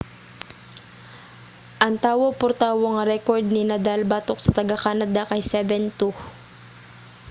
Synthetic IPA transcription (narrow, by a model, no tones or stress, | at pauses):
ʔɐŋt̪aːwopʊɾt̪aːwoŋɐɾɛkoɹd̪̚ninɐd̪albat̪ok̚sɐt̪ɐɡakaːnɐd̪akɐjsɛbɛnt̪u